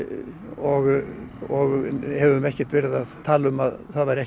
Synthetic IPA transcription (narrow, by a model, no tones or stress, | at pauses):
ɔɣɔɣhɛvʏmɛhcɪ̥t̪vɪɾɪðaðt̪ʰaːlʏmaðθaðvajɾɛh